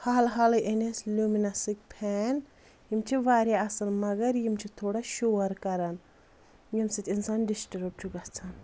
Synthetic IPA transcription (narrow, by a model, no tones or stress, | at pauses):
haːlɦaːlɐʔeneslʲuminɐsik̚pʰɛːn | jimt͡ʃʰiʋaːɾjaɐsɐlmɐɡɐɾjimt͡ʃʰit̪ʰoːɽaʃoːɾkɐɾɐn | jimsit̪ʲinsaːnɖisʈɾup̚t͡ʃʰuɡɐht͡sʰɐn